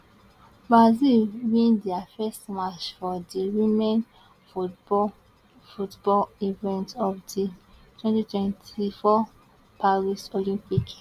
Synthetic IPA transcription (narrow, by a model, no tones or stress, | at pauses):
bɹazilwĩndiafɛstmat͡ʃfɔdiwĩmɛ̃n | futbɔlivɛ̃ntɔfditʰwɛ̃ntitwɛ̃ntʰifɔ | paɹisolĩmpik